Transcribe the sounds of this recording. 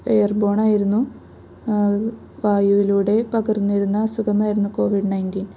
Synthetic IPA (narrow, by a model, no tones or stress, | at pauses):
ejɐrbo̞ːɳaːjiɾunːu | ʋaːjuʋiluːɽe̞pɐɣɐrnːijɾunːɐːsuɡɐmaːjiɾunːuko̞ːʋiɖnɐjntiːn